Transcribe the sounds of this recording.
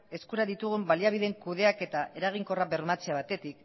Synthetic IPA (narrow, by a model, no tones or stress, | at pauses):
e̞skuɾaðit̪uɣ̞umbaliaβ̞iðe̞ŋkuð̞e̞ake̞t̪ae̞ɾaɣ̞iŋko̞raβe̞ɾmat͡seaβ̞at̪e̞t̪ik